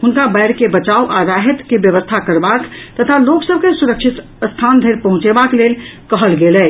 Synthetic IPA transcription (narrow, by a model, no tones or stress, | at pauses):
hunkabəɪɾkebət͡ʃawʔaɾaɦet̪kebjəβəst̪ʰakəɾbakt̪ət̪ʰaloksəb̚kesuɾəkt͡ʃʰit̪ | st̪ʰand̪ʱeɾpəɦũt͡ʃebaklelkəɦəlɡelɛ